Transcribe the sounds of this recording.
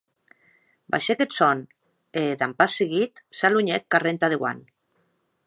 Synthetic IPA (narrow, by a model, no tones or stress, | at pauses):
ba̰ʃeket̪son | eðampaseɣit̪saluɲekːarent̪að̞eɣwa̰n